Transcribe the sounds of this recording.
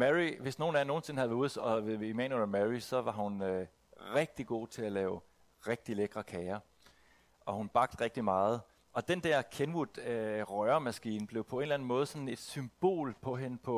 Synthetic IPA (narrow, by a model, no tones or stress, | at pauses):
mæʁiʋe̝sno̝ːn̩æɐno̝ːn̩se̝n̩hæð̩ˠuːðˠsɒ̽ʋe̝ðˠimænlmæʁisɒ̽ʋɑ̈hunø | ʁɛɡ̥̚d̥iɡ̥o̝̰ːt͡sʰe̝ælɛːʊ | ʁeɡ̥̚d̥ileɡ̥ʁɐkʰɛːɐ | ʔɒ̽hunb̥ɑ̈ɡ̥̚d̥ʁɛɡ̥̚d̥imɑ̈ːð̞̩ˠ | ɒ̽d̥end̥ɛɐ̰kʰenʋud̥øʁœɐmæsɡ̥ḭːn̩b̥le̝ʊpʰɒ̽e̝ːnlæn̩mɔ̽ːð̩ˠsɒ̽n̩e̝d̥symb̥o̝̰ːlpʰɒ̽ɦe̝nəpʰɒ̽